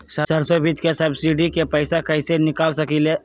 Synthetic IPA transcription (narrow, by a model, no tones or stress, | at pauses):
səsəɾsobʱit̪kesɐbsiɖikepəɪsakɐɪsenɪkaːlsəkile